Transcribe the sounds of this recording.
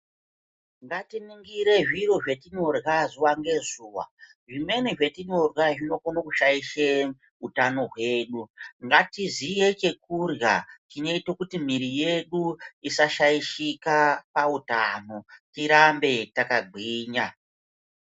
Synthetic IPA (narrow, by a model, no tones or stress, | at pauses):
ŋɡatiniŋɡiɾe̞ʐiɾo̞ʐe̞tino̞rɣazuwaŋɡe̞zuːwa̰ | ʐime̞neʐe̞tino̞rwaʐino̞konakuʃajiʃe | utano̞ɦwe̞ːɗuŋɡatizije̞t͡ʃe̞k̚urja̰t͡ʃine̞itokutim̤iɾije̞ɗuisaʃaiʃikapautano̞tiɾambe̞takaɡ͡ǃʱiːɲa